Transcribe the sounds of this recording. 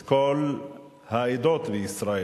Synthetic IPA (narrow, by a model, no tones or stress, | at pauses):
kʰɔl | hæɪd̪ɔt̪ʋisɾɑe